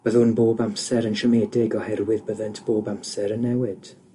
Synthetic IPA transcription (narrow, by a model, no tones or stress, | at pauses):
b̥əðʊnboːbamsɛɾənʃəmɛːdɪɡɔhɛrwɪðbəðəntʰb̥oːbamsɛɾənːɛwɪd̥